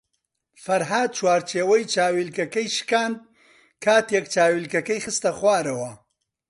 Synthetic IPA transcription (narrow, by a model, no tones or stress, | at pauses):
fɐɾɦaːd̪̚t͡ʃwaːɾt͡ʃʰeːwɐjt͡ʃaːwilkɐkɐjʃkaːnd̪̚ | kʰaːt̪jɐkt͡ʃaːwilkɐkɐjxɨst̪ɐxwaːɾɐwɐ